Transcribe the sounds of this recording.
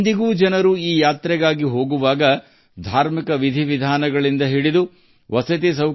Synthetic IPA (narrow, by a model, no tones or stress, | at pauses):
nd̪iɡuːd͡ʒɐnɐɾuiːjaːt̪ɾɛɡaːɡiɦo̞ːɡuʋaːɡɐ | d̪ʱaːɾmikɐʋid̪ʱiʋid̪ʱaːnɐɡɐɭind̪ɐɦiɽid̪u | ʋɐsɐt̪̬is̬ɐw